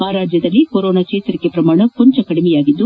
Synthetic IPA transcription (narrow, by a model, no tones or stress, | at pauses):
aːɾaːd͡ʒjɐðɐlikoɾoːnaːt͡ʃeːt̪ɐɾɪkːepɾɐmaːɳɐkɔɲd͡ʒɐkɐɽɪmɛjaːɣɪt̪ːu